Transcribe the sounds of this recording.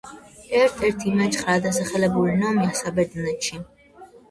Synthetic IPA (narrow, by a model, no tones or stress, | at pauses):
ɛɾt̪ʰɛɾt̪ʰimat͡ʃχɾad̪as̬aχɛlɛbuɾinɔmjasabɛd̪nat͡ʃʰi